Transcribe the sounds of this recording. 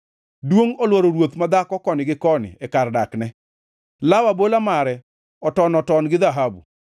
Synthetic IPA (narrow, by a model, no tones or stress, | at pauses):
dwoŋolwɔɾoɾwot̪mad̪akɔkɔnɪɡɪkɔnɪ̰ɛkardaknɛ | lawabolamaɾɛ | ɔtɔnɔtɔnɡɪd̪aɦabṵ